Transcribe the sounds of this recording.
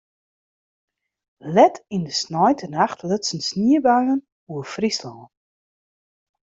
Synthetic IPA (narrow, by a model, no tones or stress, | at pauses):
lɛtindəsnɔjtʰənaxtʰlətsənsniəbaɥən | uəfrislɔː